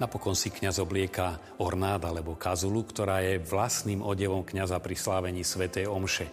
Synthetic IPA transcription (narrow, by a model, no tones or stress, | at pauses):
napɔkɔnsikɲazɔblɪɛka | ɔɾnaːd̪alɛbɔkazulukt̪ɔɾaːjɛʋlasniːmɔɟɛʋɔmkɲazapɾislaːʋɛɲiːsʋɛt̪ɛjɔmʃɛ